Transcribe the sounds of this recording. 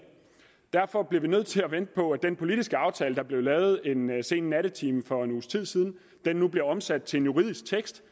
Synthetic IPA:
d̥æɐfɒ̽b̥liɐʋinøð̞̰ˠt͡sʰe̝læʋen̰d̥əpʰɒ̽æd̥enpʰo̝lid̥isɡ̥əɑ̈ʊt͡sʰɛ̰ːləd̥ɑ̈b̥le̝ʊlɛːʊð̞̩ˠe̝nse̝̰ːnnːæɾ̥ət͡sʰiːmfɒ̽e̝nuːst͡sʰið̰ˠsiːð̞ˠn̩ | d̥enːub̥le̝ɒ̽msæd̥̚t͡sʰe̝e̝njuʁið̞̰ˠisɡ̥̚t͡sʰeɡ̥sd̥

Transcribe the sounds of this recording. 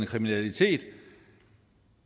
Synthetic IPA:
nkʰʁiminælit͡sʰe̝̰ːd̥

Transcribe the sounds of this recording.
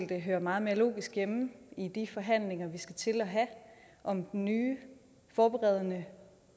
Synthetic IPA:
l̰d̥əɦøːɐmɑ̈ːð̩ˠme̝ɐlo̝̰ːɡ̥isɡ̥jemm̩id̥ifɒ̽ɦæn̰le̝ŋɐʋisɡ̥æt͡sʰe̝lɒɦæ | ʔɒ̽md̥ennyː | fɒːb̥eʁɛð̞ˠɐnə

